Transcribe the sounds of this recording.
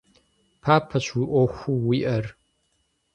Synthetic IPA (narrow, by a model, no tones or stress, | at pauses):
pʰaːpʰɐɕʰwiʔoxʷuwiʔɐr